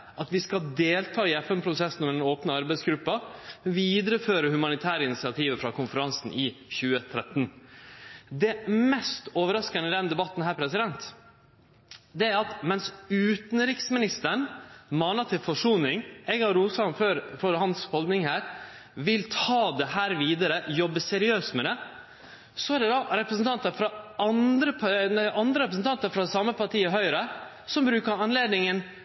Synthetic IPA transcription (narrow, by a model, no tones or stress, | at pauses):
ʔɑt̪ʋɪskɑd̪eːlt̪ʰɑːɪɛfɛmpʰɾʊsɛsn̩ɔmɛd̪ɛnoːpnəɑɾbɛɪsɡɾʉpːɑʋiːd̪ɾəføːɾəhʉmɑnɪt̪ʰæːɾəɪnɪsɪɑt̪ʰiːʋəfɾɑkʊnfəɾɑnsn̩ʔɪçʉːət̪ʰɾɛt̪n | d̪ɛmɛst̪oːʋəɾɑskənəd̪ɛnd̪ɛbɑt̪nɦæːɾpʰɾɛsɪd̪ɛnt̪ | d̪ɛæɾɑt̪mɛnsʉːt̪n̩ɾɪksmɪnɪst̪əɳmɑːnɑt̪ʰɪlfɔʂuːnɪŋɛɡɑɾuːsɑmføɾfɔɾhɑnshɔld̪nɪŋhæːɾ | ʋɪlt̪ʰɑːd̪ɛhæːɾʋiːd̪əɾəʔjɔbːəsɛɾɪøːst̪mɛd̪ɛ | sɔæɖɛd̪ɑɾɛpɾəsn̩t̪ʰɑnt̪əɾfɾɑɑnd̪ɾəɑnd̪ɾəɾɛpɾəsn̩t̪ɑnt̪əɾfɾɑsɑmːəpʰɑʈʰiːəɦœʏɾə | sɔmbɾʉːkəɾɑnleːd̪nɪŋən